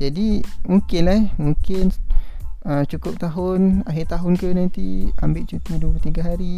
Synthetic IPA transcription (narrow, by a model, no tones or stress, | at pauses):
d͡ʒadimuŋkɪnlamuŋkɪn | ət͡ʃukʊp̚t̪aɦʊnaɦit̪aɦʊnkənãnt̪ḭambiʔ̚t͡ʃut̪idut̪iɡaɦaɾi